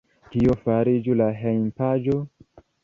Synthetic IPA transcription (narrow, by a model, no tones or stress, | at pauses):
tiofaɾid͡ʒulaɦejmpad͡ʒo̞